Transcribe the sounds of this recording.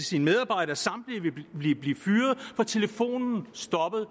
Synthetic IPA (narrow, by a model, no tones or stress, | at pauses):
sinmeð̞ˠɑ̈ːb̥ɑ̈ɪ̰ɾ̥ɐsɑ̈m̰d̥liʋe̝b̥liːb̥liːfyːɐð̞̩ˠfɒ̽t͡sʰe̝ləfo̝̰ːnn̩sd̥ɒ̽b̥ðˠ